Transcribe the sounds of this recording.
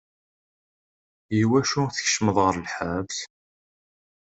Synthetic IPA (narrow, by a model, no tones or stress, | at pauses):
jiwæʃuθə̥çʃməðˤʁəɾlħavθ